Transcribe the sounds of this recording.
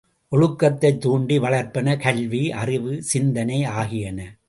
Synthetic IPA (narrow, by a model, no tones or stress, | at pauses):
ʔɔɻɯkːɐt̪ːɐɪt̪ːuːɳɖiʋɐɭɐɾpɐnɐkɐɭʋiʔɐrɪʋɯsɪnd̪ɐnɐɪaːɣɪjɐnɐ